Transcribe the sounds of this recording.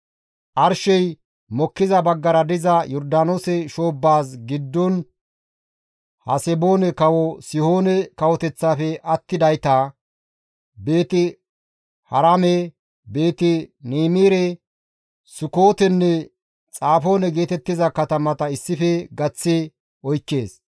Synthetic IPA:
ʔɐɾʃɛj | mɔkːɪzɐbɐɡːɐɾɐd̪ɪzɐjɔɾd̪aːnosɛʃo̞ːbːaːsɡɪd̪ːɔn | hɐsɛbo̞ːnɛkɐwɔsɪho̞ːnɛkɐwɔt̪ɛt͡sːaːfɛʔɐt̪ːɪd̪ɐjt̪a | be̞ːt̪ɪ | hɐɾamɛ | be̞ːt̪ɪniːmiːɾɛ | sʊko̞ːt̪ɛnːɛ | t͡sʼaːfo̞ːnɛɡe̞ːt̪ɛt̪ːɪzɐkɐt̪ɐmɐt̪ɐɪsːɪfɛɡɐt͡sːɛ | ɔjkːe̞ːs

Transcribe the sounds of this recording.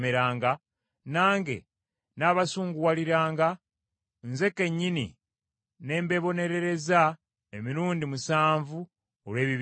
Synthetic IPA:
meɾaːŋɡa | naːŋɡe̞̰ | naːβasuːŋɡuwaliɾaːŋɡa | nze̞ke̞ɲːinḭ | ne̞ːmbe̞βo̞ne̞ɾe̞ɾe̞za | emiɾuːndimusaːɱvu | olwe̞ːβiβ

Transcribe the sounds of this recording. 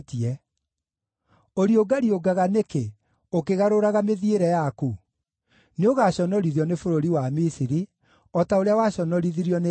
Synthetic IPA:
tiɛ | oɾioɡaɾioɡaɣaneke | okeɣaɾoɾaɣameðieɾɛjaku | neoɣaɕɔnɔɾiðjɔnefoɾoɾiwamisiɾi | ɔtaoɾeawaɕɔnɔɾiðiɾjɔne

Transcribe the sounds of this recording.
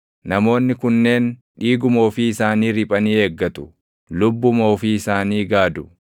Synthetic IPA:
nɐmo̞ːnːɪkʊnːe̞ːn | ᶑiːɡʊmo̞ːfiɪsaːniːɾɪpʼɐniːe̞ːɡːɐt̪ʊ̥ | lʊbːʊmo̞ːfɪɪsaːniːɡaːd̪ʊ

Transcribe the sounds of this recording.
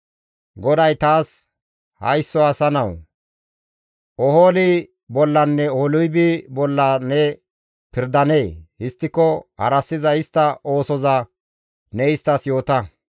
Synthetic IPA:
ɡɔd̪ɐjt̪aːs | hɐ̰jsːɔɐsɐnɐw | ʔɔhoːlɪ | bɔlːɐnːɛolʊjbɪbɔlːɐnɛ | pɪɾd̪ɐne̞ːhɪst̪ːɪkːɔhɐ̰ɾɐsːɪzɐɪst̪ːɐʔo̞ːsɔzɐ | nɛjɪst̪ɐsjo̞ːt̪ɐ

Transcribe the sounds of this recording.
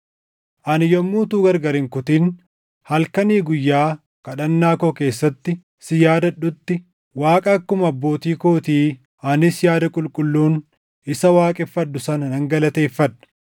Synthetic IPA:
ʔɐnɪjɔmːuːt̪uːɡɐɾɡɐɾɪŋkʊt̪iːn | hɐlkɐniːɡʊjːaː | kɐɗɐnːaːkoːke̞ːsːɐt̪ːɪ | sɪjaːd̪ɐᶑʊt̪ːɪ | waːkʼɐːkːʊmɐbːo̞ːt̪iːkoːt̪iː | ɐnɪsjaːd̪ɐkʼʊlkʼʊlːuːn | ɪsɐwaːkʼɛfːɐᶑːʊsɐnɐnɐŋɡɐlɐt̪eːfːɐᶑɐ̥

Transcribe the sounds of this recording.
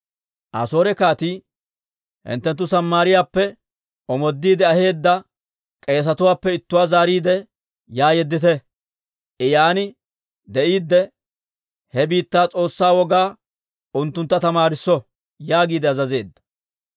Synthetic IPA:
ʔɐ̰so̞ːɾɛkaːt̪i | hɪ̰nt̪ːɛnt̪ːʊsɐmːaːɾɪjaːpːɛ | ɔmɔd̪ːiːd̪ɛɐhe̞ːd̪ːɐ | kʼe̞ːs̬ɐt̪ʊwaːpːɛɪt̪ːʊwaːzaːɾiːd̪ɛ | jaːjɛd̪ːɪt̪ɛ | ɪjaːnɪ | d̪ɛʔiːd̪ːɛ | hɛbiːt̪ːaːt͡sʼo̞ːsːaːwɔɡaː | ʔʊnt̪ːʊnt̪ːɐt̪ɐmaːɾɪsːɔ | jaːɡiːd̪ɛɐzɐze̞ːd̪ːɐ̥

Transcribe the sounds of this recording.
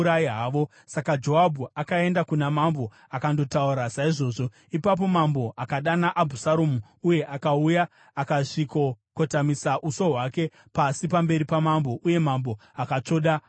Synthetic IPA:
ɾaɦaːʋo̞ | sakad͡ʒo̞ɦabʱuakae̞ndakunamambo̞ | akando̞tauɾasaiʐo̞ːʐo̞ | ipap̬o̞mambo̞ʔakaɗanaʔabʱusaɾomu | uje̞ʔakaujaː | kaʂikokotamisaʔuso̞ɦwake̞ | pasipambe̞ɾipamambo̞ʔuje̞mambo̞akat͡ʂo̞ːɗa

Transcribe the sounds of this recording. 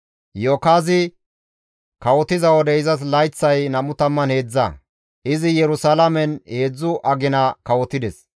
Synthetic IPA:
joːkaːzɪ | kɐwɔt̪ɪzɐwɔd̪ɛɪzɐs̬lɐjt͡sːɐjnɐmʊt̪ɐmːɐnhe̞ːd͡zːɐ̰ | ʔɪzɪjɛɾʊsalɐmɛnhe̞ːd͡zːʊʔɐɡɪnɐkɐwɔt̪ɪd̪ɛs

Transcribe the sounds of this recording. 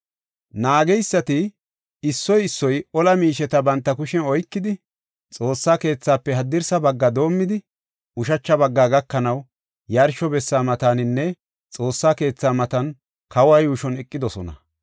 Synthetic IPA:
naːɡɛjsːɐt̪ɪ | ɪsːɔjɪsːɔjɔlɐmiːʃɛt̪ɐbɐnt̪ːɐkʊʃɛnɔjkːɪd̪ɪ | t͡sʼo̞ːsːaːke̞ːt͡sːaːpːɛɦɐd̪ːɪɾsɐbɐɡːɐd̪o̞ːmːɪd̪ɪ | ʊʃɐt͡ʃːɐbɐɡːaːɡɐkːɐnɐw | jɐɾʃɔbɛsːaːmɐt̪aːnɪnːɛ | t͡sʼo̞ːsːaːke̞ːt͡sːaːmɐt̪ɐn | kɐwajuːʃɔnɛkʼːɪd̪ɔsɔnɐ̰

